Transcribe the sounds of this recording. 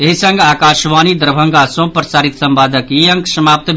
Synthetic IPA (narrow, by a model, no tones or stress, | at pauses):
eɦisɐ̃ŋɡaːkaːʃʋaːnid̪əɾbʱɐ̃ŋɡasõpɾɐsaːɾit̪sɐ̃mbaːd̪ʱəkiɐ̃ŋksɐmaːp̚t̪